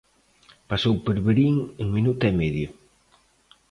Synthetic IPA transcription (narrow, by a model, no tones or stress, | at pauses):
pasowpeɾβeɾiŋeŋminut̪ɛmeðjo